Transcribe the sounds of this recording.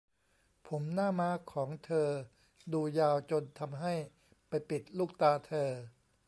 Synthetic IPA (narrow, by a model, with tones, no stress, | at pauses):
pʰo˩˦mnaː˥˩maː˦˥kʰɔː˩˦ŋt̪ʰɤː˧ | duː˧jaː˧wt͡ɕo˧nt̪ʰa˧mɦa˥˩j | pa˧jpi˨˩t̪̚luː˥˩k̚t̪aː˧t̪ʰɤː˧